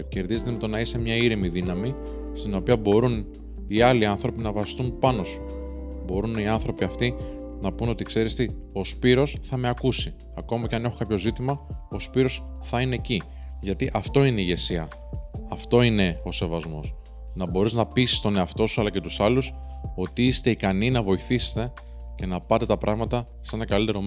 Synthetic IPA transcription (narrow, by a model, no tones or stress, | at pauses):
ce̞ɾðize̞t̪eme̞t̪o̞nɐise̞mɲɐiɾimiðinɐmi | st̪ino̞piɐbo̞ɾun | iɐliɐnθɾo̞pinɐvɐsi̥st̪umpɐno̞su̥ | bo̞ɾuniɐnθɾo̞piɐft̪i | nɐpuno̞t̪ikse̞ɾist̪i | o̞spiɾo̞sθɐme̞ɐkusi | ɐko̞mɐceɐne̞xokɐpço̞zit̪imɐo̞spiɾo̞sθɐine̞ci | ʝɐt̪iʔɐft̪o̞ineiʝe̞siɐ | ɐft̪o̞ine̞o̞se̞vɐzmo̞̰s | nɐbo̞ɾiznɐpisi̥st̪o̞neɐft̪o̞suɐlɐce̞t̪usɐluso̞t̪iist̪e̞ikɐninɐvo̞iθise̥t̪e̞ | ce̞nɐpɐt̪e̞t̪ɐpɾʔɐɣmɐt̪ɐ | se̞nɐkɐlit̪e̞ɾo̞m